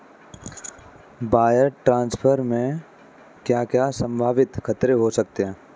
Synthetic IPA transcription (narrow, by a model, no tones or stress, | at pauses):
baːjəɾʈɾãːnspʰəɾmẽ | kjaːkjasə̃mbʱaːʋɪt̪kʰɐt̪ɾeɦosɐk̚t̪eɦɛ̃ː